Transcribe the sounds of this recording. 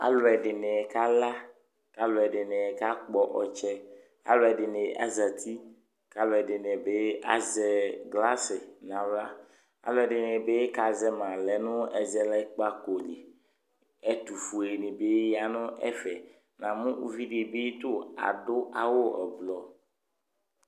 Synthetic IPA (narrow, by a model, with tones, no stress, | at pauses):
a̰˦lo˨ɛ˨ɖɪ˨nɛ̃˨ka˦la˦ | ka˦lo˨ɛ˨ɖɪ˨nɛ̃˨ka˦k͡pɔ˨ʔɔ˨t͡ʃɛ˦ | a̰˦lo˦ɛ˨ɖɪ˨nẽ˨ʔa̰˦zɛ˨t̪ʰi˦ | ka˦lo˨ɛ˨ɖɪ˨nɛ̃˨be˦a̰˨zɛ˨ɡla˦sɪ˨nã˨wla˦ | a̰˨lo˦ɛ˨ɖɪ˨nɛ˨be˦ka˨zɛ˦mã˨lɛ˨nũ˦ɛ˨zɛ˦lɛ˦k͡pa˦ko˨li˨ | ɛ˦t̪u˨fu˨e˨nĩ˨be˦ja˨nũ˦ʔɛ̰˦fɛ˨ | nã˨mũ˦u˦vi˦ɖi˨be˦t̪o˦a̰˨ɖʊ˦a˨wo˦ɛ̰˨blɔ˨